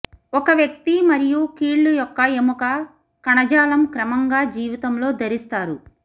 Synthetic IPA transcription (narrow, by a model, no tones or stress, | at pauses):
ɔkɐʋjɐk̚t̪imɐɾijukiːɭːujɔkːɐemukɐ | kɐɳɐd͡ʒaːlɐmkɾɐmɐŋɡaːd͡ʒiːʋit̪ɐmlo̞ːd̪ʱɐɾist̪aːɾu